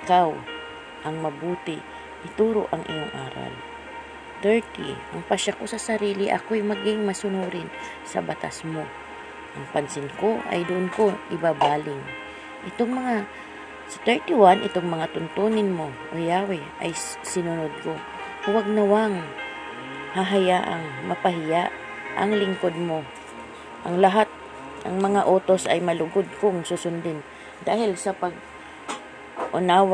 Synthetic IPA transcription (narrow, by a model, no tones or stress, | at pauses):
ɪkaw | ʔɐŋmɐbuːt̪ɪ | ʔɪt̪uːɾo̞̰ʔɐŋʔɪ̰joŋʔa̰ːɾa̰l | t̪ɛɹt̪ḭʔɐŋpɐʃɐko̞sɐsɐɾiːlɪʔɐ̰kojmɐɡɪŋmɐsʊnuːɾɪn | sɐ̰bɐt̪a̰smo̞ | ʔɐŋpɐnsɪnko̞ʔɐ̰jd̪ʊʔonko̞ʔɪbabaːlɪŋ | ʔɪt̪oŋmɐŋa | sɐt̪ɛɹt̪iwanʔɪt̪oŋmɐŋat̪ʊnt̪oːnɪnmo̞ʔojaːwɪʔa̰j | sɪnʊnod̪̚ko | waɡ̚nɐwaŋ | haɦɐjaʔa̰ŋmɐpɐɦɪjaʔ | ʔɐ̰ŋlɪŋkod̪̚mo̞ | ʔɐŋlɐɦat̪̚ | ʔɐŋmɐŋaʔoːt̪o̞sʔɐjmɐlʊɡod̪̚kʊŋsusʊnd̪ɪn | d̪aːhɪlsɐpɐɡ̚ | ʔʊnaːw